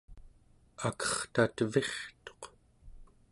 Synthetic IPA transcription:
akʌ̥χt̪at̪ve̞χt̪o̞̥q

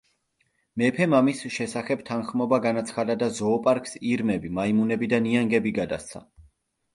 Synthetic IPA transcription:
mɛpʰɛmamisʃɛsaχɛb̚t̪ʰanχmɔbaɡanat̪sʰχad̪ad̪azɔːpʼaɾkʰʼsiɾmɛbimaimunɛbid̪aniaŋɡɛbiɡad̪ast̪sʰa̰

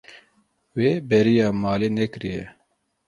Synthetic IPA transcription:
weːbɛɾijɑːmɑːleːnɛkɨɾijɛ

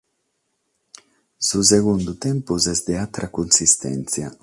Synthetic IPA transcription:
sus̬eɣund̪ut̪ɛmpuzɛzd̪eat̪ɾakunsist̪ɛ̰nt̪sja

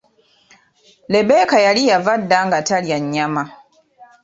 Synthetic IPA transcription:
lɛbɛːkajaɾijavadːaŋɡataɽjaɲɲama

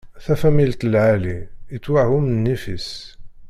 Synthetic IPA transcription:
θæfæmilt̪əlʕaliːt͡s̪ːwahumnːifis

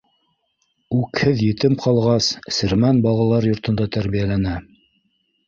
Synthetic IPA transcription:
ʉkhɘðjɘ̆t̪ɘmqɑlˠʁɑssɘ̆ɾmænbɑlˠɑlˠɑɾjŏɾt̪ɤ̆nd̪ɑt̪æɾβijælænæ

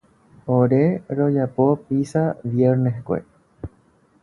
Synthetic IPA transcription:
oɾeɾod͡ʒapo̞pisaʋjeɾneɦkʷḛ

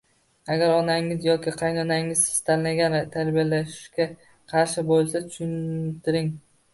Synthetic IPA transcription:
aɡʲaɾɒnaŋɪzjɒkʲɪqʰɑjnɒnaŋɪz̥ɪ̥st̪ʰannaɡʲant̪ʰaɾbijalaʃɪʃkʲa | qʰɑɾʃɪbolˠsat̪ʰʊʃʊnt̪ʰɪɾɪŋ

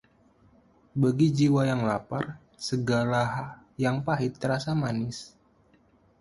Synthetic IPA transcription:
bəɡid͡ʒiwajaŋlapar | səɡalaɦ | jaŋpaɦɪt̪ːəɾasamanɪs

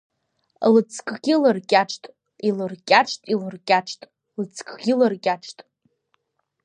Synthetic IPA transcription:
lɨt͡sʰkʰʼɡʲilɨrkʲʼaʈ͡ʂʰtʼ | ilɨrkʲʼaʈ͡ʂʰtʼilɨrkʲʼaʈ͡ʂʰtʼ | lɨt͡sʰkʰʼɡʲilɨrkʲʼaʈ͡ʂʰtʼ

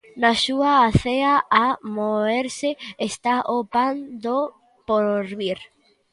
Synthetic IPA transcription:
nasuaːθeaʔamoeɾsɪest̪aʔopand̪o | poɾβiɾ

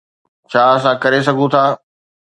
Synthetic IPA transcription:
t͡ɕʰaːɐs̬ãkɐɾes̬ɐɡʱũt̪ʰaː

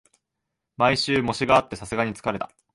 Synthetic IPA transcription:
maiɕɨːmo̞ɕiɡaːt̪ːe̞sasɨɡaɲ̟it͡sɨ̥kaɾe̞t̪ḁ

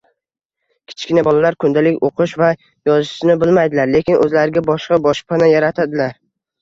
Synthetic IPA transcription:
kʲʰɪ̥t͡ʃkʲɪnabɒlˠalaɾkʰʊnd̪alɪkʲoqʰɨʃva | jɒzʃɪʃɪnɪbɪlmajd̪ɪlaɾle̞kʲɪnʔɵ̰zlaɾɪɡʲabɒʃqɑbɒʃpʰanajaɾat̪ʰad̪ɪlaɾ

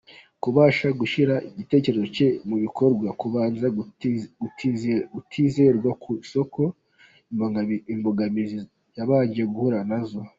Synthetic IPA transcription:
kuβaːʃaɡuʃiɾaiɟite̞ːce̞ɾezo̞ce̞muβiko̞ɾɡwakuβaːnza | ɡutʰiːzeɾɡwakʰuso̞kʰo̞ | mbimboɡamizi | jaβaːɲɟieɡuhuɾanazo

